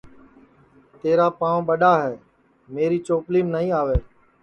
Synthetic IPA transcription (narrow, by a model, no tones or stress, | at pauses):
t̪eːɾaːpãːʋɓəɗaːɦɛː | meːɾiːt͡ʃoːpliːmnəɦĩːaːʋeː